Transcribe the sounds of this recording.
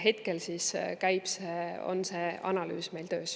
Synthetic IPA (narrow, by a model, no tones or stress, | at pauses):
ɦe̞t̪ke̞lsiskæjb̥seo̰nse̞ːɑnɑly̰ːsme̞jlt̪ø̞ːs